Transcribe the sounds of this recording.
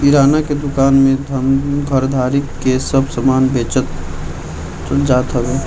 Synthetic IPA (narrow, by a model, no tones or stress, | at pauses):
iɾaːnaked̪ʊkaːnmẽd̪ʱəmɡʱəɾd̪ʱaːɾikːesəbsəmaːnbeːt͡ʃət̪ | d͡ʒaːt̪ɦəbeː